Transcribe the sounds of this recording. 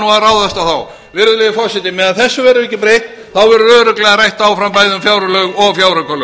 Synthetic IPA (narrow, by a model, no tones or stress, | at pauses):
nuaraːwðast̪aθaw | vɪɾðʏlɛjɪfɔsɪt̪ɪmɛðaðθɛsːʏvɛɾʏihcːɪpɾejht̪ | θawvɛɾʏœːɾʏklɛɣarajht̪awfɾampajðʏmfjawɾʏlœːɥɣɔɣfjawɾœkalœ